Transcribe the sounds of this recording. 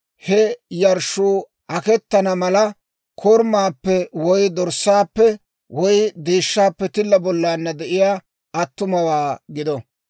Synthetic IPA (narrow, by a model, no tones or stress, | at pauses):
hɛjɐɾʃuː | ʔɐkɛt̪ːɐnɐmɐlɐ | kʰɔɾmaːpːɛwɔjd̪ɔɾsːaːpːɛ | wɔjd̪eːʃːaːpːɛt̪ɪlːɐbɔlːaːnːɐd̪ɛʔɪjaː | ɐt̪ːʊmɐwaːɡɪd̪ɔ